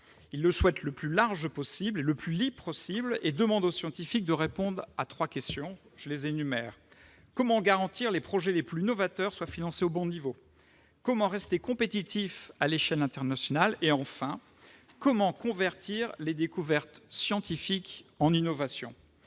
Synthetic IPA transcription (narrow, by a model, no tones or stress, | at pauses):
ilːəswɛt̪ləplylaʁʒpɔsibleləplylippɔsibled̪əmɑ̃d̪osjɑ̃t̪ifik̚d̪əʁepɔ̃d̪ʁat̪χwakʲɛst̪jɔ̃ʒ̥əlezenymɛːʁ | kɔmɑ̃ɡaʁɑ̃t̪iʁlepχɔʒɛleplyinɔvat̪œʁswafinɑ̃seobɔ̃nivo | kɔmɑ̃ʁɛst̪ekɔ̃pet̪it̪ifaleʃɛlɛ̃t̪ɛʁnasjɔnaleɑ̃fɛ̃ | kɔmɑ̃kɔ̃vɛʁt̪ʰiʁled̪ekuvɛʁt̪sjɑ̃t̪ifikɑ̃ninɔvasjɔ̰̃